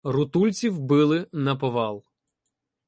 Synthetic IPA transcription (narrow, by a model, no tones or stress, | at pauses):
rʊt̪ulʲt͡sʲiwbɪlˠɪnɐpɔʋɑlˠ